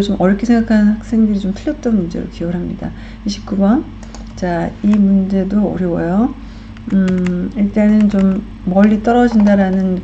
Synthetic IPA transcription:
t͡ɕomʔʌɾʌkʰesʰeŋɡakʰanɯnhak̚s͈e̞ŋdɯɾit͡ɕomtʰɯɭjʌt̚t͈ʌnmund͡ʑeɾo̰kʰiʌɾɦamɲida̰ | iɕʰi̥k͈ubʌn | t͡ɕaimund͡ʑe̞doʌ̰ɾjʌwʌjo | ɯiɭt͈anɯnt͡ɕomː | ʌʎːit͈ʌɾʌd͡ʑindaɾanɯn

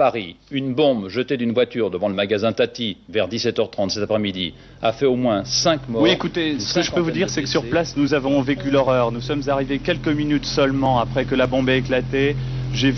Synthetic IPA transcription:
paʁiynbɔ̃bʒət̪ed̪ynvwat̪yʁd̪əvɑ̃ləmaɡazɛ̃t̪at̪ivɛʁd̪isɛt̪œʁt̪χɑ̃t̪sɛt̪apχɛmid̪ḭ | afɛomwɛ̃sɛ̃kmɔwiekut̪esə̥kəʒəpøvud̪iʁsɛkə̥syʁpplasnuzavɔ̃vekʲylɔʁœʁnusɔmzaʁivekʲɛlkəminyt̪sœlmɑ̃apχɛkəlabɔ̃beeklat̪eʒe

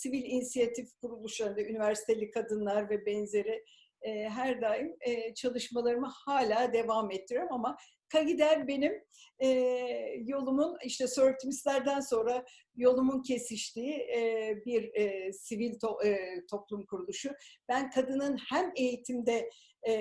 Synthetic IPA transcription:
sivilʲinisijat̪ʰifkuɾulˠuʃhand̪aynivæɾsi̥t̪ʰe̞lʲikʰad̪ɯnlˠaɾvɛbɛnze̞ɾɪː | ɦæɾd̪aːjɯmːt͡ʃʰalˠɯʃmalˠaɾɯmɯhaːlʲaːd̪e̞vamɛt̪ʰːijoɾmama | kʰaɡid̪æɾbe̞nim | ɛːjo̞lˠumuniʃt̪ʰɛsøɾt̪ʰimislʲæɾd̪ænso̞nɾa | jo̞lˠumuncʰe̞siʃt̪ʰiːbiɾsivilʲt̪ot̪ʰo̞plˠumkʰuɾulˠuʃub̥ænkʰad̪ɯnɯnhæme̞jit̪ʰimd̪ɛ

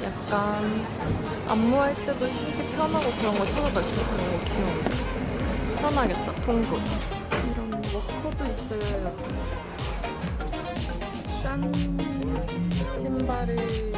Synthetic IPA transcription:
jak̚k͈an | a̰mːuɦaɭt͈e̞doɕʰimkʰepʰjʌnɦaɡokɯɾʌnɡʌt͡ɕʰʌɾʌbas͈ʰokɯɾʌnɡʌkʰioŋ | pʰjʌnɦaɡe̞t̚t͈atʰoŋɡu | iɾʌnwʌkʰodois͈ʌjjo | k͈aŋ | ɕʰimbaɾɯɭ

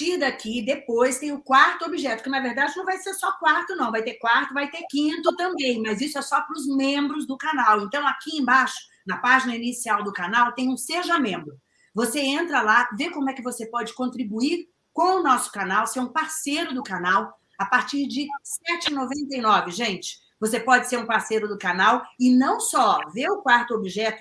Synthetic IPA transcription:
t͡ʃiɾd̪akid̪epojst̪ẽj̃ʊkwaɾt̪ʊobiʒɛt̪ʊ̥kɪnɐveɾd̪ad͡ʒɪnɐ̃w̃vajseɾsɔkwaɾt̪ʊnɐ̃w̃vajt̪eɾkwaɾt̪ʊvajt̪eɾkĩt̪ʊt̪ɐ̃mbẽj̃mɐzisʊɛsɔpɾʊzmẽmbɾʊzd̪ʊkanawẽnt̪ɐ̃w̃akiẽj̃baʃʊ̥ | nɐpaʒinɐinisiawd̪ʊkanawt̪ẽj̃ũseʒɐmẽmbɾʊ | voseẽnt̪ɾɐlavekõmʊɛkɪvosepɔd͡ʒɪkõnt̪ɾibuiɾ | kõw̃ʊnɔsʊ̥kanawseɾũpaɾsejɾʊd̪ʊkanaw | apaɾt͡ʃiɾd͡ʒɪsɛt͡ʃɪɪnovẽnt̪ejnɔvɪʒẽnt͡ʃɪ̥ | vosepɔd͡ʒɪseɾũpaɾsejɾʊd̪ʊkanawɪnɐ̃w̃sɔveʊkwaɾt̪ʊobiʒɛt̪ʊ

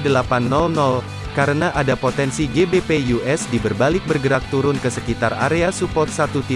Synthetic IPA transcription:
dəlapanːɔlnɔl | kaɾənaʔadapot̪ɛnsiɡebepejuʔɛsdibərbalɪk̚bərɡəɾak̚t̪uɾʊnkəsəkit̪ara̰ɾeasupɔt̪̚sat̪ut̪i

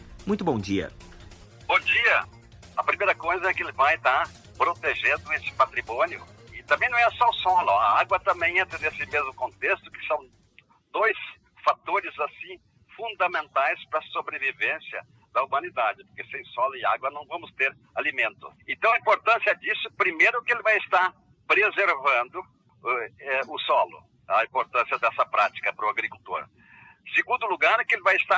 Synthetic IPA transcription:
mũj̃t̪ʊbõd͡ʒiɐ̰ | bõd͡ʒiɐ | ɐpɾimejɾɐkojzɐɛkɪelɪvajt̪aɾ | pɾot̪eʒẽnd̪ʊesɪ̥pat̪ɾimõnjʊ̰ɪt̪ɐ̃mẽjnɐ̃w̃ɛsɔʊsɔlʊ̰ɐ̰aɡwɐt̪ɐ̃mbẽj̃ẽnt̪ɾɐnesɪmezmʊkõnt̪est̪ʊ̥kɪ̥sɐ̃w̃ | d̪ojs | fat̪oɾɪzasĩ | fũnd̪ɐmẽnt̪ajspɾɐsobɾevivẽsjɐ̰ | d̪̥ɐumɐ̃nid̪ad͡ʒɪpoɾkesẽj̃sɔlʊɪa̰ɡwɐnɐ̃w̃vɐ̃mʊst̪eɾ | alimẽnt̪ʊ̰ẽnt̪ɐ̃w̃ɐĩmpoɾt̪ɐ̃siɛd͡ʒisʊpɾimejɾʊkɪelɪvajɪst̪aɾ | pɾezeɾvɐ̃nd̪ʊ | ɛʊsɔlʊ̰ | ɐĩmpoɾt̪ɐ̃siɐd̪ɛsɐpɾat͡ʃi̥kɐpɾʊaɡɾikult̪o̰ɾ | seɡũnd̪ʊluɡaɾɛkɪelɪvajɪst̪a

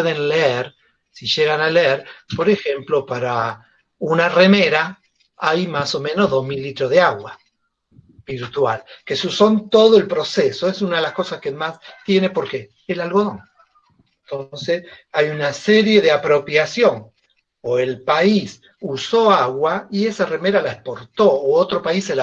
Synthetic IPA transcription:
eðenleeɾ | siʒe̞ɣanaleeɾpo̞ɾexe̞mplo̞paɾa | unareme̞ɾa | ajmaso̞mẽ̞no̞zðozmilːit̪ɾozðeaɣwa | b̥iɾt̪walkesusont̪o̞ðoelpɾo̞seso̞esunaðelasko̞saskemast̪je̞ne̞po̞ɾkeː | lalɣoðoŋ | ent̪o̞nsesajunaseɾje̞ðeapɾo̞pjasjo̞ŋ | oelpais | uso̞aɣwaiesare̞me̞ɾalaespo̞ɾt̪o̞ːot̪ɾo̞paisela

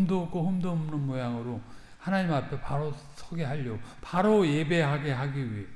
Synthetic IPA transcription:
mdok͈oɦumdomnɯnmojaŋɯɾo | hanaɲimapʰe̞paɾo | sʰʌɡe̞ɦaʎːopaɾoje̞be̞ɦaɡe̞ɦaɡiɥiɦe

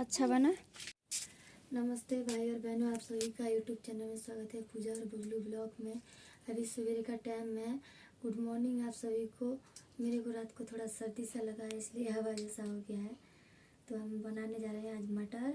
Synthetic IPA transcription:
ɐtːʃʰabəna | nɐməst̪eːbʱaːiɔːɾbʱɛɦnuaːpsəbʱikajuːʈjuːbt͡ʃɛːnəlmẽswaːɡət̪ɦɛpuːd͡ʒaɔːɾbʊɡlublɔːkmẽɐbʱisʊbeɾkaʈɛːɪmɦẽ | ɡ̥ʊɖmɔːɾnɪ̃ŋɡaːpsɐbʱikʰomeːɾekoɾaːt̪kot̪ʰoːɽasɐɾd̪isalɐɡaeɪslieɦabad͡ʒɛːsaɦoɡɪjaɦɛ | t̪oɦɐmbɐnaːned͡ʒaːɾəɦɛ̃aːd͡ʒmɐʈaɾ

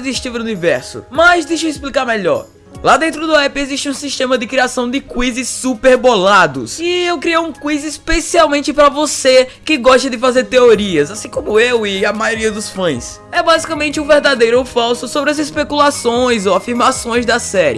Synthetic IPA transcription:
ziʃt͡ʃ̪ivɐunivɛɾsʊ̰mɐzd̪ejʃɐisplikaɾmeʎɔ̰ɾ | lad̪ẽnt̪̬ɾʊd̪ʊɛpɪeziʃt͡ʃɪũsiʃt̪ẽmɐd̪ɪkɾiasɐ̃w̃d̪ɪkwizɪsupeɾbolad̪ʊ̰sɪewkɾiejũkwizispesiawmẽnt͡ʃ̪ɪpɾɐvosekɪɡɔʃt̪ɐd̪ɪfazeɾt̪eoɾiɐzasĩkõmʊewɪɐmajoɾiɐd̪ʊsfɐ̃j̃s | ɛbazikɐmẽnt͡ʃɪũveɾd̪ad̪ejɾʊofawsʊsobɾɪɐzɪspekulasõj̃zoafiɾmasõj̃zd̪ɐsɛɾɪ̰

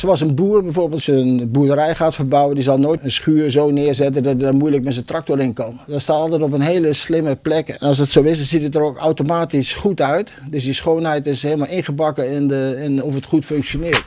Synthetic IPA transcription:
soɑlˠs̬ənbuːərbɛjvoːrbeːlˠtsənbuədərɛjχaːtfərbawəndizɑlˠnojənsχyːrzoːnɪərzɛtəndɔtdamujlək̚mɛsəntrak̚tɔrɪnkɔmdɔtstaːtɔlˠtɛtɔp̬ənɦeːləslɪməplɛkɛnɔlˠsdɔtsoːɪsdɑnzitətəroːka̰wtomaːtisχutœɥtdøsdisχoːnɦɛjtɪsheːləmalˠɪnχəbɑkəɪnəɪnɔfətχutføŋksjonɪərt

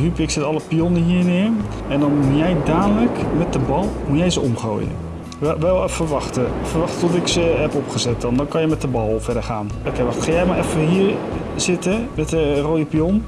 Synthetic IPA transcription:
ɦypɪksɪtɑləpijɔnəɦiːnɪːɹ | ɛndɔnujɛjdaːdələkmɛt̚dəbɑlˠmujɛjzəɔmχro̰ːjə̰ | ɛʋɛlˠfəɹʋɑχtəfəɹʋɑχtətɔtɪksəɦɛpɔpχəzɛt̚dɔndɔnkɑnjəmɛtəbɑlˠvɛdəɹχaːn | okejʋɑχtχajɛjmaɹʔɛfəɦiːɹ | z̥ɪtəmɛtəroːjəpiɔn

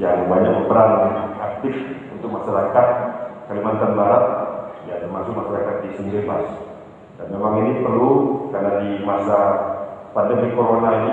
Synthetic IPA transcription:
jaŋbaɲak̚bəpəɾaŋak̚t̪ɪfunt̪ʊk̚maʃaɾakat̪̚kalimant̪anbaɾat̪̚jat̪əmasʊkmaʃaɾakat̪̚disinbebas | danmemaŋinipərlukarnadimasa | padəŋdikoɾonaini

